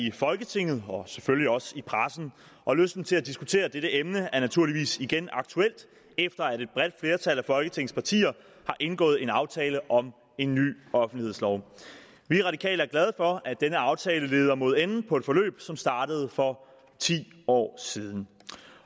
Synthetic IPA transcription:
ifɒ̽lɡ̥ət͡sʰe̝ŋ̰ð̞̩ˠɒ̽sefølliɒ̽sipʰʁasn̩ | ʔɒ̽løsd̥n̩t͡sʰe̝læd̥isɡ̥ut͡sʰe̝̰ːɐd̥eɾəʔemnəæɐnæt͡sʰuɐ̰liʋḭːsiɡ̥enʔɑ̈ɡ̥̚t͡sʰuel̰d̥ | efd̥ɐæɾe̝d̥̚b̥ʁɛd̥fle̝ːɐt͡sʰælæfɒ̽lɡ̥ət͡sʰe̝ŋ̩spʰɑ̈t͡sʰḭːɐ | hɑ̈ʔe̝nɡ̥ɔ̰̽ːð̩ˠe̝nɑ̈ʊt͡sʰɛːləʔɒ̽m | e̝nːy̰ːɒ̽fn̩d̥lihe̝ð̰ˠslɒʊ | ʋiʁɑ̈ɾ̥i̥kʰɛ̰ːlɐæɐɡlæð̞ˠfɒ̽æd̥enəɑ̈ʊt͡sʰɛːləle̝ːð̞ˠɐmo̝ð̞ˠenn̩pʰɒ̽e̝d̥fɒ̽lø̰ːb̥sɒ̽msd̥ɑ̈ːɾ̥əð̞̩ˠfɒ̽ | t͡sʰḭː | ɒ̰ːsiːð̞ˠn̩

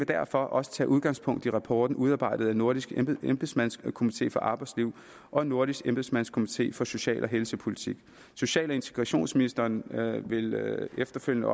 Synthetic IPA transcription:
ʋe̝d̥æɐ̰fɒ̽ʔɒ̽sə̥t͡sʰɛ̰ːʔuð̞ˠɡ̥ɑ̈ŋspʰɔ̽ŋ̰d̥iʁɑ̈pʰɒ̰ːd̥n̩uð̞ˠɑ̈ːb̥ɑ̈ɪ̰d̥ð̩ˠænːo̝ɐɾ̥isɡ̥emb̥ðˠsmænskʰo̝mit͡sʰe̝̰ːfɒ̽ʔɑ̈ːb̥ɑ̈ɪdsliʊ̰ | ʔɒ̽e̝nːo̝ɐɾisɡ̥emb̥ð̩ˠsmænskʰo̝mit͡sʰe̝̰ːfɒ̽so̝ɕɛ̰ːlʔɒ̽ɦelsəpʰo̝lit͡sʰiɡ̥ | so̝ɕɛ̰ːlɒe̝nt͡sʰe̝ɡ̥ʁɑɕo̝̰ːnsminisd̥ɐnʋe̝lefd̥ɐføl̰jənə

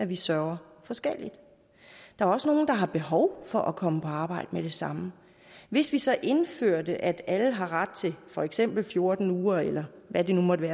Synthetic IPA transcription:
æʋisɶɐʊɐ | fɒ̽sɡ̥el̰id̥ | d̥ɑ̈æɐɒ̽səno̝ːn̩d̥ɑ̈ɦɑ̈b̥e̝ɦɒʊfɒ̽ʔɒkʰɒ̽məpʰɒ̽ɑ̈ːb̥ɑ̈ɪ̰d̥əmed̥e̝sɑ̈mə | ʋe̝sʋisɒ̽ʔe̝nføɐ̰d̥əʔæd̥æləɦɑ̈ʁɑd̥̚t͡sʰe̝fɒ̽eɡ̥sem̰b̥l̩fjo̝ɐd̥n̩uːɐelɐʋæd̥e̝numɒd̥əʋæː

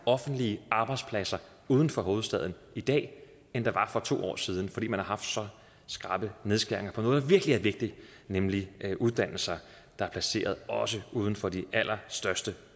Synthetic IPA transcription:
ɒ̽fn̩d̥liəʔɑ̈ːb̥ɑ̈ɪ̥spʰlæsɐ | uːð̞ˠn̩fɒ̽ɦo̝ːð̩ˠsd̥ɛðˠn̩ | id̥ɛ̰ː | end̥ɑ̈ʋɑ̈fɒ̽t͡sʰo̝̰ːɒ̰ːsiːð̞ˠn̩fɒd̥ḭːmænhɑ̈ɦɑ̈fd̥sɒ̽ | sɡ̥ʁɑ̈ːb̥əne̝ð̞ˠsɡ̥eɐ̰e̝ŋɐpʰɒ̽nɔːð̞̩ˠd̥ɑ̈ʋiɐɡ̥əliæɐʋe̝ɡ̥̚d̥i | nemliʔuðˠd̥æn̰l̩sɐ | d̥ɑ̈æɐpʰlæse̝̰ːɐð̞̩ˠɒ̽səuːð̞ˠn̩fɒ̽d̥iʔæl̰ɐsd̥ɶɐsd̥ə

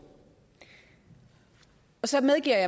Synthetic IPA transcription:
ɒ̽sɒ̽meðˠɡ̥ḭɐjɑ

